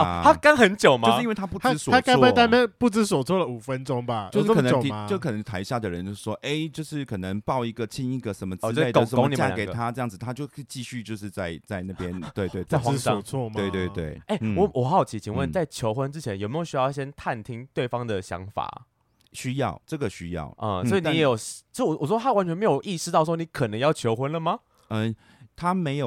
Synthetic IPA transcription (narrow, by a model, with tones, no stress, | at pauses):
ɔ˥t̪ʰa˥ka˥nxə˨˦nt͡ɕjo˨˩ʊmao˧ʂ̩˥˧i˥nwe˥˩t̪ʰa˥pu˥˩t̪̩˥swɔ˨a˥ka˥ɔ˥a˧˥t̪a˥mə˥˧pu˥˩t͡s̩˦s̬wɔ˨˩t͡sʰwɔ˥˩lə˨u˨˩fə˦nʈ͡ʂo˦˥ŋba˨o˥˧ʊʂ̩˥knə˧˨i˧t͡ɕkʰɤ˨˩nə˧˦ŋt̪ʰa˧˥ɪ˧ɕja˥˩d̪ə˩ɻə˧˦nt͡ɕjo˥˧ʊʂɻ̩˥˩ʂwɔ˥ʔe˥˩ɪt͡ɕjo˥˧ʊʂɻ̩˥˩kʰɤ˨˩nə˧˦ŋpɑ˥˩ʊi˧˥ɡə˨t͡ɕʰi˥ŋi˥˧˩ɡə˨ʂə˧˦nmə˧t͡sːe˥˩ko˨ə˨sə˧˦ko˥mŋi˨t͡ɕa̰˦˥˩ke˨˩ɪɡə˩t̪ʰa˦ʈ͡ʂɤ˥˧jɑ˥˩ŋd͡z̩ɹ̩˩t̪ʰa˥t͡ɕjo˥˧ʊ˥˧t͡ɕi˥˧ɕy˥˧t͡ɕjo˥˧ʊʂ̬ɻ̩˥˧t͡sa˥˧ɪt͡sa˥˧ɪna˥˩pjɛ˦nt̪we˥˧ɪt̪we˥˩a˥˩ɪxa˧˥˧ɑ˥t͡sʰwɔ˥˧we˥˧ɪt̪we˥˧ɪt̪wḛ˥˩ɪe˥˩ɪwɔ˨˦wɔ˨˩xa˧˥jo˧˩ʊt͡ɕʰi˨˩t͡ɕʰi˧˥ŋwə˥˨nt͡sa˥˩ɪt͡ɕʰjo˧˥ʊxwə˧˦nʈ͡ʂɻ̩˥t͡ɕʰjɛ˧˦njme˦˥jo˨˩ʊɕy˥jɑ˥˨ʊɕjɛ˥nt̪ʰa˥˨˩nt̪ʰi˦˥ŋt̪we˥˩ɪfɑ˥ŋd̪ə˨ɕjɑ̰˧˦˥ŋfa̰˨˩ | ɕy˥jɑ˥˩ʊʈ͡ʂɤ˥˩ɡə˩ɕy˦˥jɑ̰˥˩ʊʔə˥˨˩swɔ˧˥i˨ni˨˥jɛ˧˥jo˨˩ʊ˥t͡ɕwɔ˨˩wɔ˨˩swɔ˥t̪ʰa˥wa˧˥nt͡ɕʰɥɛ˧˥me˧˥ɪjo˨˩ʊʔi˥˧ʂɻ̩˥˧t̪ɑ˥˩ʊʂwɔ˥ni˧˥kʰə˨˩nə˧˦ŋjɑ˥˩ʊt͡ɕʰjo˧˥ʊxwə˧˥nlə˨ma˨ | ə˧ | t̪ʰa˥me˧˥ɪjo˨